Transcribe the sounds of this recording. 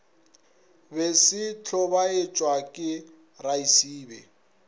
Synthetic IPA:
besɪt͡ɬʰɔbaet͡ʃʼwakʼɪ | raisiːbɛ

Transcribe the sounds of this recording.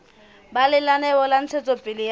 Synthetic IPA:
balɪlanɛɔlan̩t͡sʰɛt͡sʼɔpʼɪlɪj

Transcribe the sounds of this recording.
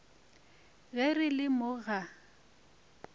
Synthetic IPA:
ɣɛrɪlɪmʊɣa

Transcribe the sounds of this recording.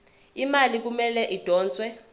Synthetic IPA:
imalik̬umɛlɛʔid̥ʱɔːnt͡sʼwɛ

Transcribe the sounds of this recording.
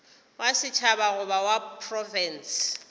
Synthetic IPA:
wʔasɪt͡ʃʰabaɣʊbawapʰrɔfɛns

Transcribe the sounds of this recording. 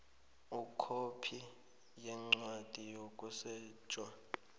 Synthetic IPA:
ukʰopʰi | jɛŋ͡ǀwad̥ʱijokʼusɛːt͡ʃʼwa

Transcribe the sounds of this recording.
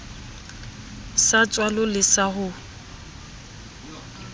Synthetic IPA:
sat͡sʼwalɔlɪsaɦʊ

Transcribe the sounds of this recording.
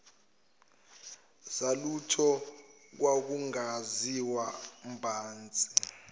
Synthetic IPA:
zalutʰɔ | k̬wak̬uŋaziwam̩bʱaːnt͡sʼi̥

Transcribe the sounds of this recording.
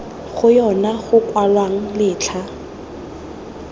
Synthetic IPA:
χʊjɔnaχʊkwalwaŋ̩lɪːt͡ɬʰa

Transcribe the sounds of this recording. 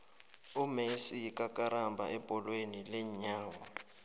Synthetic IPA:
umesijikʼakʼaɾambʱa̰ɛpʼɔlwenilɛɲaːwɔ

